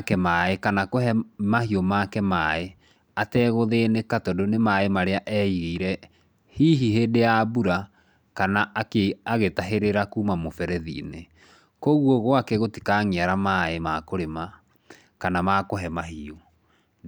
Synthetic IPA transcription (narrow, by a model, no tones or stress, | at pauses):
kɛmaekanakoɦɛmahiomakɛmae | atɛːɣoðenekatɔdonemaemaɾeaʔɛiɣeiɾɛ | hiɦiɦeːdejabuɾa | kanaʔakeaɣetaɦeɾeɾakuːmamofɛɾɛðḭne | koɣwɔɣwakɛɣoti̥kaŋeaɾamaemakoɾema | kanamakoɦɛmaɦio